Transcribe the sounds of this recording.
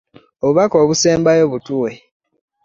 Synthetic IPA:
oβuβako̞ːβuse̞ːmbajo̞βutuwe

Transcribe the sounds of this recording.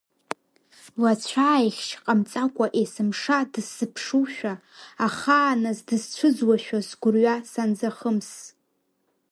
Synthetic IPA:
lat͡ɕʷʰaːjχʲt͡ʃqʼamt͡sʼakʷʼaʔesɨmʂadɨsɨpʰʂuʃᶣaː | χaːnazdɨzt͡ɕʷʰɨzwaʃᶣasɡʷʊrɥasand͡zaχəms

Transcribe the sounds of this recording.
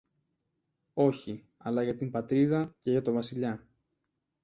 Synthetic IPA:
o̞çi | ɐlɐʝɐt̪impɐt̪ɾiðɐce̞ʝɐt̪o̞vɐsiʎɐ

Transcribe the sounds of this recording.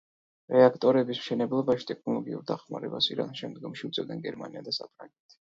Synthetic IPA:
ɾɛakʰt̪ʼɔɾɛbismʃɛnɛblˠɔbaʃi̥t̪ʼɛkʰnɔlˠɔɡiuɾd̪aχma̰ɾɛbasiɾa̰nʃɛmd̪ɡɔmʃiut̪sʼɛvd̪ɛnɡɛɾma̰niad̪asapʰɾa̰ŋɡɛt̪ʰi̥

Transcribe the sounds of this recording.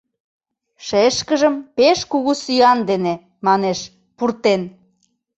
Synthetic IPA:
ʃeʃkə̆ʒəmpeʃkuɣusyɑnd̪ene | mɑneʃ | purt̪en

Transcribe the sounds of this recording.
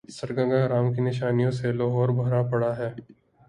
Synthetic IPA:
sɐɾɡə̃ŋɡaɾaːmkinɪʃaːnijõselɔːɦɔːɾbʱɐɾapɐɽaɦɛː

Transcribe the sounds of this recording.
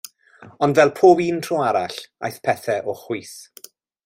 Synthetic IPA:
ɔndvɛlˠpʰoːbiːntʰrowaɾa̰ɬa̰jθpʰɛθɛʔɔχwiːs

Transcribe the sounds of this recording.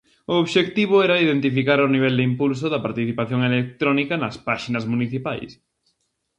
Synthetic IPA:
ʊoβʃekt̪iβ̞ʊɛɾɐiðent̪ifikaɾoniβ̞ɛld̪ɪimpuls̬ʊðɐpaɾt̪iθipaθjoŋelek̚t̪ɾɔnikɐnɐspaʃinɐzmuniθipajs

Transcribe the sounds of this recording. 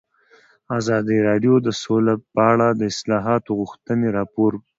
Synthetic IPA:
azɑd̪iɾɑɖjod̪əsolapəaɽad̪əɪslɑɦɑt̪oɣuxt̪əneɾɑpoɾ

